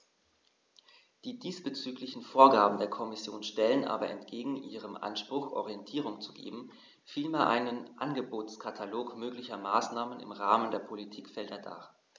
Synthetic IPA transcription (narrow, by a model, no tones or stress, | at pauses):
d̥iːdiːsb̥ət͡syːklɪçn̩foːɐɡaːbm̩deːɐkʰɔmɪsjoːnʃtɛlənʔa̰ːbɐʔɛ̰ntɡ̥eːɡŋ̩ʔiːʁ̞əmʔa̰nʃpʁ̥ʊxʔɔ̰ʁiɛntʰiːʁ̞ʊŋt͡su̥ɡḛːbm̩ | filmaʔa̰ɪnənʔanɡəboːtskʰatʰaloːkmøːklɪçɐmaːsnaːmənɪ̰mʁaːməndeːɐpʰolitʰiːkfɛldɐd̥a̰ː